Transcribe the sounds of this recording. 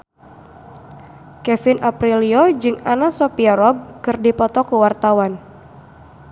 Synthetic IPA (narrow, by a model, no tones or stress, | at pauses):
kɛfɪnʔapɾiliod͡ʒɨŋanasɔpiaɾɔb̚kɨrdipɔt̪ɔkuwart̪awan